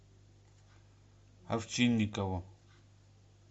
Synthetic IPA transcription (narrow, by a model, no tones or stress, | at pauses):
ha̰ft͡ʃinːikawa